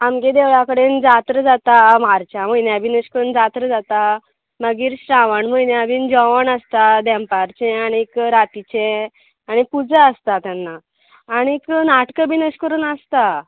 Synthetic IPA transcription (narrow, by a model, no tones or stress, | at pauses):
amked̪eʋɭjakəɽend͡zat̪ɾəd͡zat̪amaɾt͡ɕjaməjnjabʱinəɕkəɾuːnd͡zat̪ɾəd͡zat̪a | məɡiːɾɕɾaʋəɳməjnjabiːnd͡ʑɔʋənəst̪ad̪ɛ̃mpaɾt͡ɕɛ̃aɽ̃ikɾat̪it͡ɕẽ | aɽ̃ipud͡zaəst̪at̪janːaː | ɽ̃iknaʈkəbʱinəɕkəɾuːnəst̪a